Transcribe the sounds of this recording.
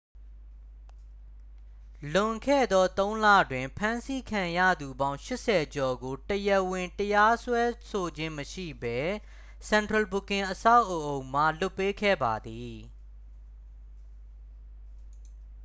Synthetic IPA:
lʊ̃˨ŋkʰɛ̰˦˨d̪ɔ˦t̪õ˦ʊ̃lä̰˦˨dwɪ̃˨mpʰã˦nsi˦kʰã˨jä̰˦˨d̪u˨bã˦ʊ̃ʃɪ˦ʔsɛ˨d͡ʑɔ˨ɡo˨təjə˨wɪ̃˨ntəja˦swɛ˦so˨d͡ʑɪ̃˦məʃḭ˦˨bɛ˦ | sɛ̃˨ntɹə˨bu˨kɪ̃˨ʔəsa˦ʊʔo˨ʔõ˨ʊ̃ma̰˦˨lʊ˦˨pːe˦kʰɛ̰˦˨ba˨d̪i˨

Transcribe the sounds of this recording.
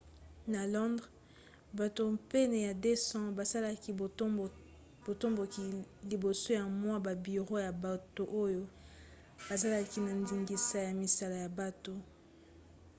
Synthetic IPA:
na˨lɔ̃˦ndʁ | ba˨to˨mpe˦ne˨ja˨de˦sɑ̃˦ba˨sa˦la˦ki˨˦ | b̥o˨to˦mbo˨ki˨li˨bo˨so˦ja˨mwa˦ba˨bi˨ʁo˦ja˨ba˨to˨ʔo˦jo˦ | b̥a˨za˦la˦ki˨na˨ndi˨ŋɡi˨sa˨ja˨mi˨sa˦la˨ja˨ba˨to˨

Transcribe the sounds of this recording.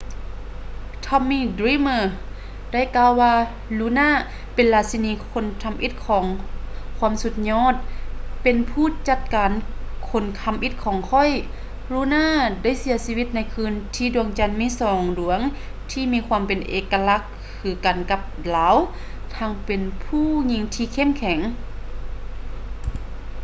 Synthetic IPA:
t̪ʰɔ˧mːiː˧˨dɾiː˧˥mɤː˧ | da˥˨jkaː˧˨waː˧ | luː˧˥naː˧˥˨ | pe˨nlaː˧t̪̚si˧niː˧˥kʰo˧˥˨nkʰa˧mʔi˧˥t̪̚kʰɔː˨˦ŋkʰwuː˧˥˨msu˧t̪̚ɲɔː˧˥˨t̪̚pe˨npʰuː˧˩˨t͡ɕa˧˩t̪̚kaː˨nkʰo˧˩nkʰa˧˥mʔi˧˥t̪̚kʰɔː˨˦ŋkʰɔ˧˥˨j | lu˧˦naː˥˨da˧˥˨jsi˨˧˦ɐsiː˧wi˧˥t̪̚na˧˥jkʰɯː˧˥nt̪ʰiː˧˩du˨˩əŋt͡ɕa˧˥nmiː˧˥˨sɔː˨˩ŋdu˨˩əŋ | t̪ʰiː˧˥miː˧˥kʰwaː˧˥˨mpe˨nʔeː˨˧kːa˧la˧˥kʰː | ɯː˨˧˦ka˨˩˨nka˧˥p̚laː˨˦w | t̪ʰaː˧˥ŋpe˨npʰuː˥˨ɲi˧˥ŋt̪ʰiː˧kʰe˧˥˨mkʰɛ˨˦ŋ

